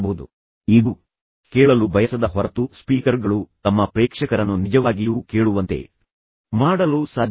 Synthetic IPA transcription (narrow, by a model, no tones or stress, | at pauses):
boud̪ṵ | iːɡu | keːɭɐlubʱɐjɐsɐd̪ɐɦɔɾɐt̪uspiːkɐɾɡɐɭut̪ɐmːɐpɾeːkʂɐkɐɾɐnːunid͡ʒɐʋaːɡijuːkeːɭuʋɐnt̪e̞̰ | maːɽɐlusaːd̪ʱ